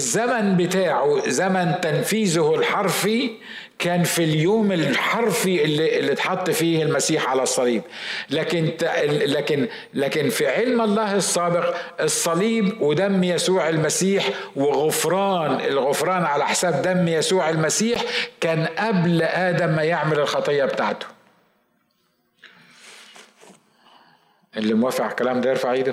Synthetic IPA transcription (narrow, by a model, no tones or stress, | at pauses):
ɪzːamanbɪt̪aːʕʊzamant̪anfiːzʊhɪlħɑɾˤfi | kaːnfiljoːmɪlħɑɾˤfiʔɪlːiʔɪlːit̪ħɑt̪ˤːfiːhɪlmasiːħʕalasˤːɑliːblaːkɪnt̪laːkɪn | laːkɪnfiʕɪlmʔɑlˤːɑːhɪsˤːɑːbɪqʔɨsˤːɑliːbwɪd̪æmːjæsuːʕɪlmæsiːħwɪɣʊfɾˤɑːnɪlɣʊfɾˤɑːnʕalaħsaːb̚d̪æmːjæsuːʕɪlmasiːħkæːnʔæblʔaːd̪æmːajɪʕmalɪlxɑt̪ˤejːɑbt̪aːʕt̪ʊ̥ | ʔɪlːimwæːfɪʕkælæːmd̪eɾfaʕiːd̪